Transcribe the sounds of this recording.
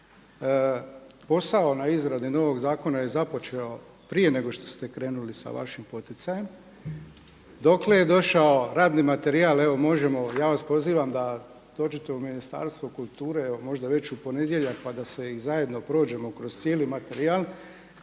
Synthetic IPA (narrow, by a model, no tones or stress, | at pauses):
po̞sao̞naizɾad̪ino̞ːʋo̞ɡzaːko̞naje̞zapo̞t͡ʃe̞o̞ | pɾije̞ne̞ɡo̞ʃt̪o̞̥st̪e̞kɾe̞ːnulisa̰ʋa̰ʃimpo̞t̪it̪saje̞m | d̪o̞kle̞je̞d̪o̞ʃao̞ɾaːd̪nimat̪e̞ɾiale̞ʋo̞mo̞ʒe̞mo̞jaːʋaspo̞ziːʋamd̪a | d̪̥o̞ːd͡ʒet̪e̞uminist̪a̰ɾst̪ʋokulˠt̪uːɾe̞eomo̞ʒd̪aʋe̞t͡ɕupo̞ne̞d̪je̞ʎak̚pad̪ase̞izaje̞d̪no̞pɾo̞ːd͡ʒe̞mo̞kɾo̞zt̪sjeːlimat̪e̞ɾial